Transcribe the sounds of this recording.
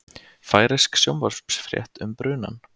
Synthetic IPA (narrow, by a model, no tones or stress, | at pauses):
faːjɾɪsksjowmvɔɾspsfɾjɛ̰ht̪ʏmpɾʏːna̰n